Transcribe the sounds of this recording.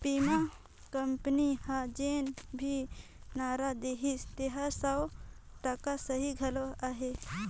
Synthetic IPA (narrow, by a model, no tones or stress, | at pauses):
pima | kəmpnihãd͡ʒenbʱi | naɾad̪eɦist̪eɦasaw | ʈəkasəɦiɡʱɐloaɦe